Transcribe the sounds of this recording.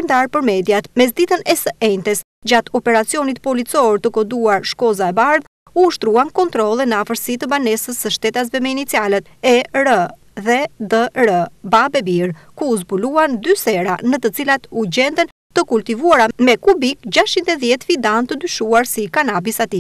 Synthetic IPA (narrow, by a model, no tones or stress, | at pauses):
əɾnd̪aɾpəɾmɛd̪jat̪mɛz̬d̪it̪ənɛsəʔɛnt̪ɛs | d͡ʑat̪ɔpɛɾat͡siɔnit̪̚pɔlit͡sɔɾt̪əkɔd̪uaɾʃkɔzaɛbaɾð | uːʃt̪ɾuankɔnt̪ɾɔlˠɛnəafəɾsit̪əbanɛsəsːəʃt̪ɛt̪as̬vɛmɛinit̪t͡sialɛt̪ɛɾə | ðɛd̪əɾəbabɛbiɾ | kuːzbuluand̪ysɛɾanət̪ət͡silat̪uɟɛnt̪ən | t̪əkult̪ivuaɾamɛkubikd͡ʑaʃt͡ʃint̪ɛðjɛt̪vid̪ant̪əd̪yʃuaɾsikanabisat̪i